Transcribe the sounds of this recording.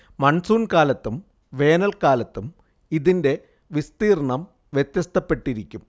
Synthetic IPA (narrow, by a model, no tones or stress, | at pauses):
mɐɳsuːnkaːlɐt̪ːum | ʋe̞ːnɐlkaːlɐt̪ːum | iðinde̞ | ʋist̪iːrɳɐm | ʋjet̪jɐst̪ɐpːe̞ʈːiɾikʲːum